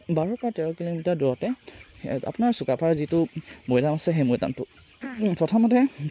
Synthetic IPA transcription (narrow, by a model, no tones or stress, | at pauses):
baɹɔɹpɔatɛɹɔkilomitadɔɹɔtɛ | a̰pʊnaɹsukapʰaɹzitʊmojdanasɛɦejmojda̰ntʊ | pɔtʰamɔtɛ